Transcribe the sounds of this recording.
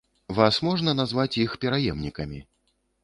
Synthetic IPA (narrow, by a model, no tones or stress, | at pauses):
vasmɔʐnɐnazvat͡sʲjixpʲɛɾajɛmnʲikɐmʲi